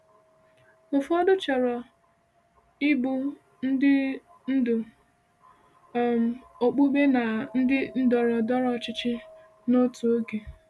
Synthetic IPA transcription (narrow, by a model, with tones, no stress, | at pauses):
ʊ˨fɔ˦dʊ˦t͡ʃɔ˨ɾɔ˨ | ɪ˦bu˦ | n̩˦dɪ˦ | n̩˦dʊ˨ | m˨o˨k͡pu˦ɡ͡be˦na˨n̩˦dɪ˦n̩˦dɔ˨ɾɔ˨dɔ˦ɾɔ˨t͡ʃɪ˦t͡ʃɪ˦ | no˦tu˨o˦ɡe˨